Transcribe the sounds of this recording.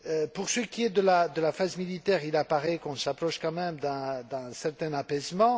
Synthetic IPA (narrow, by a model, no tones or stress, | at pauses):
øpuʁsəkʲiɛd̪əlad̪əlafazmilit̪ɛʁilapaʁɛkɔ̃sapχɔʃkɑ̃mɛmd̪ɛ̃d̪ɛ̃sɛʁt̪ɛ̃napɛzmɑ̃